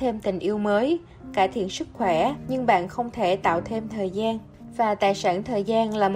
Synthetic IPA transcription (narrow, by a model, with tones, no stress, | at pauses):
t̪ʰe˧mt̪ï˨˩ŋ̟ʔi˧əwməː˨˦j | kaː˧˩jt̪ʰḭ˧˨ənsɨ˦˥k̚xwɛ˧˩ɲɨ˧ŋɓa̰ː˧˨nxə˧wŋ͡mt̪ʰe˧˩t̪a̰ː˧˨wt̪ʰe˧mt̪ʰəː˨˩jzaː˧n | vaː˨˩t̪a̰ː˨˩jsaː˧˩nt̪ʰəː˨˩jzaː˧nlaː˨˩m˨